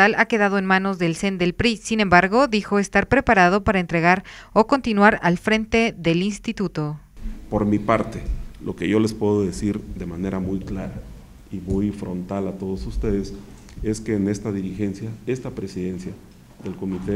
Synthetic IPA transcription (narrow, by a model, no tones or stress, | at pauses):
alake̞ðað̞o̞enmãno̞zðe̞lse̞nd̪e̞lpɾisinẽ̞mbaɾɣo̞ðixo̞e̞st̪aɾpɾe̞paɾað̞o̞paɾaent̪ɾe̞ɣaɾ | oko̞nt̪inwaɾalfɾe̞nt̪e̞ðe̞linst̪it̪ut̪o̞ | po̞ɾmipaɾt̪elʔo̞ke̞ʝo̞le̞spweðoðe̞siɾðe̞mane̞ɾamujklaɾa | imujfɾo̞̰nt̪alat̪o̞ðosust̪e̞ðes | e̞ske̞ːne̞st̪aðiɾixe̞nsjae̞st̪apɾe̞siðe̞nsja | ðelko̞mit̪e